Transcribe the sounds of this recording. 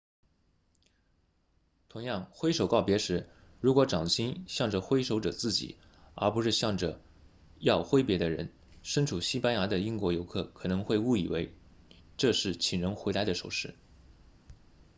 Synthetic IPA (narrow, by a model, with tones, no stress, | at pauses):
t̪ʰʊ˧˥ŋjɑ˥˩ŋxwe˥ɪʂo˨˩ʊkɑ˥˩ʊpjɛ˧˥ʂɻ̩˧˥ | ɻu˧˥kwɔ˧˥ʈ͡ʂɑ˨˩ŋɕi˥nɕjɑ˥˩ŋʈ͡ʂə˨˩xwe˥ɪʂo˧˥ʊʈ͡ʂɤ˨˩t͡sɹ̩˥˩t͡ɕḭ˨˩˦ | ə̰˞˧˥pu˧˥ʂɻ̩˥˧ɕjɑ˥˩ŋʈ͡ʂə˩ | jɑ˥˩ʊxwe˥ɪpjɛ˧˥d̪ə˧ɻə̰˧˥n | ʂə˥nʈ͡ʂʰu˨˩ɕi˥pa˥nja˧˥d̪ə˧i˥ŋkwɔ˧˥jo˧˥ʊkʰɤ˥˩kʰɤ˨˩nɤ˧˥ŋxwe˥˧ɪu˥˩ḭ˨˩we˧˥ɪ | ʈ͡ʂɤ˥˧ʂɻ̩˥˩t͡ɕʰi˨˩ŋɻə˧˥ŋxwe˧˥ɪla˧˥ɪd̪ə˧ʂo˨˩ʊʂɻ̩˥˩